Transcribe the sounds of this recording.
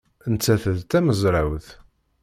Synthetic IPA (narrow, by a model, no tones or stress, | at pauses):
ənt͡sːæθəðt̪æməzˤɾˤawθ